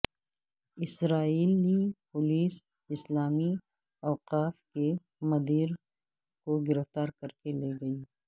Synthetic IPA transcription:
ɪsɾaːiːlipʊliːs | ɪslaːmi | ɔːqaːfke | mɐd̪iːɾ | koɡɪɾɪft̪aːɾkɐɾkeleːɡɐiː

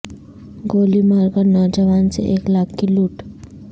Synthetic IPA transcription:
ɡoːlimaːɾɡanɔd͡ʒəʋaːnsḛʔeːklaːkːiluːʈ

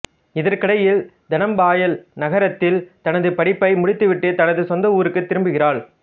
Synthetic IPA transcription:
ɪðɐɾkɪɽɐjɪl | d̪ɐnɐmbaːjɐlnɐɣɐɾɐt̪ːɪlt̪ɐnɐðɯpɐɽɪpːɐɪmʊɽɪt̪ːɯʋɪʈːɯt̪ɐnɐðɯsɔnd̪ɐuːɾɯkːɯt̪ːɪɾɯmbɯɣɪraːɭ

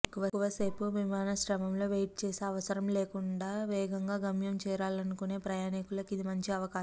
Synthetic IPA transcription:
kːuʋɐkːuʋɐse̞ːpuʋimaːnɐʃɾɐmɐmlo̞ːʋejʈ̚t͡ʃeːseːɐʋɐsɐɾɐmleːkuɳɖaːʋɛːɡɐŋɡaːɡɐmjɐmt͡ʃɛːɾaːlɐnukune̞ːpɾɐjaːnikulɐkid̪imɐɲt͡ʃiɐʋɐkaːʃɐ

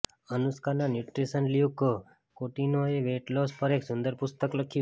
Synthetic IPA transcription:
ənuskananjuʈɾisənlijuk | koʈinoeʋeʈlospəɾeksʊnd̪əɾpʊst̪əkləkʰi

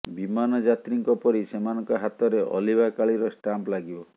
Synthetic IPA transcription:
bimanɔd͡ʒat̪ɾiŋkɔpɔɾisemanɔŋkɔɦat̪ɔɾeʔɔ̰libakaɭiɾɔsʈamplaɡibɔ

